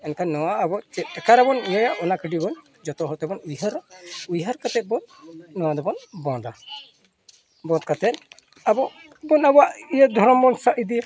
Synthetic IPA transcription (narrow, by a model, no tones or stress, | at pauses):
ɛnkanːɔwaːbɔt͡ʃɛt̪̚kɛkaɾabɔnijajaʔʔɔnakəɖibɔn | d͡ʒɔt̪ɔɦɔɾt̪ɛbɔnujɦaɾujɦaɾkat̪ɛt̪̚bɔnːɔwad̪ɔbɔnbɔd̪a | bɔ̃nt̪̚kat̪ɛt̪ | abɔʔ | bɔnabɔwaʔijad̪ʱɔɾɔmbɔnsaʔid̪i